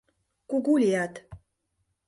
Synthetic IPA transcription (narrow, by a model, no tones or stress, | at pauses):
kuɡulʲijat̪